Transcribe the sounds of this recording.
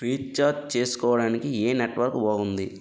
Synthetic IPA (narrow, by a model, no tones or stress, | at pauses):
ɾiːt͡ʃaːdt͡ʃe̞ːsu̥kɔːʋɐɽaːnikieːneʈʋɐɾkuboːɡund̪i